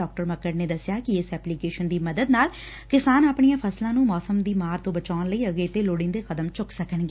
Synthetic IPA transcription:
ɔːk̚ʈəɾməkəʈneːd̪əsːɪjaːkɪɪsɛːplikeːʃənd̪iːməd̪əd̪naːl | kɪsaːnaːpɳijãːpʰəslãːnũːmɔːsəmd̪iːmaːɾt̪õːbət͡ʃaːnləiːəɡeːt̪eːloːɽɪ̃ːnd̪eːxəd̪əmt͡ʃʊksəkənɡeː

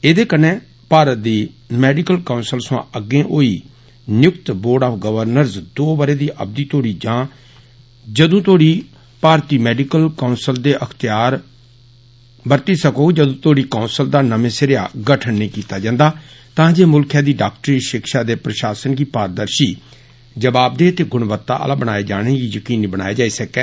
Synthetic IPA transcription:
eːd̪eːkəneː | paːɾət̪̚d̪iː | mɛːɖikəlkaʊnsəlsã̰ːʔəɡẽːʔoːḭː | njʊkt̪boːɾɖaːpʰɡəʋəɾnəɾzd̪oːbəɾeːd̪iːʔə̰b̚d̪iːt̪oːɽiːd͡ʒãː | d͡ʒəd̪ũːt̪oːɽiː | paːɾt̪iːmɛːɖikəlkaːnsəld̪eːʔəkʰt̪ɪjaːɾ | bəɾt̪iːsəkoːd͡ʒəd̪õːt̪oːɽiːkaːnsəld̪aːnəmẽːsəɾɪja̰ːɡəʈʰənːĩːkiːt̪aːd͡ʒãːnd̪aː | t̪ãːd͡ʒeːmʊlkʰjãːd̪iːɖaːk̚ʈəɾiːʃɪkʃaːd̪eːpɾəʃaːsənɡiːpaːɾd̪əɾʃiː | d͡ʒəbaːb̚d̪eːt̪eːɡʊɳʋət̪ːa̰ːʔə̰laːbəɽaːeːd͡ʒaːɽ̃eːɡiːjəkiːnibəɽ̃naːeːd͡ʒaːiːsəkɛː

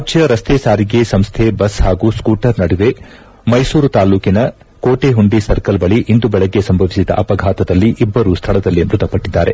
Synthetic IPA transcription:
ɐd͡ʒjɐɾɐst̪ʰeːsaːɾiɡe̞sɐmst̪ʰebɐsɦaːɡuːskuːʈɐɾnɐɽiʋ̪e̞ | mɐjsuːɾut̪aːluːkinɐ | koːʈeɦuɳɖisɐɾkɐlbɐɭiʔind̪ubɛɭɐɡːe̞sɐmbʱɐʋisid̪ɐ̰ʔɐpɐɡʱaːt̪ɐd̪ɐlːiʔibːɐɾuːst̪ʰɐɭɐd̪ɐlːimɾud̪ʱɐpɐʈːid̪ːaːɾe̞̰

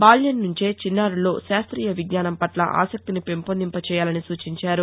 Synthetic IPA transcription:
baːljɐnnuɲt͡ʃe̞ːt͡ʃinːaːɾulo̞ːʃaːst̪ɾiːjɐʋiɡnaːnɐmpɐʈlɐ̰ʔa̰ːsɐk̚t̪inipe̞mpond̪impɐt͡ʃɛːjaːlɐnisuːt͡ʃiɲt͡ʃaːɾu

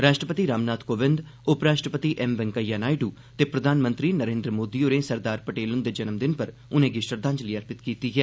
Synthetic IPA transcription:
ɾaːʃʈɾəpət̪iːɾaːmnaːt̪ʰkoːʋɪ̃nd̪ | ʊpɾaːʃʈɾəpət̪iːʔɛmʋɛŋkəjːaːnaːiɖuː | t̪eːpɾəd̪ʱaːnmə̃nt̪ɾiːnəɾẽːnd̪ɾəmoːd̪ioɾẽːsəɾd̪aːɾpəʈeːlʊnd̪eːd͡ʒənəmd̪ɪnpəɾ | ʊnẽːɡiʃəɾd̪ʱãːɲd͡ʒliːəɾpɪt̪kiːt̪iːɦɛː

